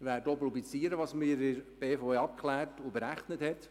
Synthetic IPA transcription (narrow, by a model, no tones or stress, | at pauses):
ʋæːɾdoːpɾublit͡siːəɾəʋɑːsmɪːɾɪɾb̥eːfoɑp̚kʰlæːtʊbəɾæχnəthɛt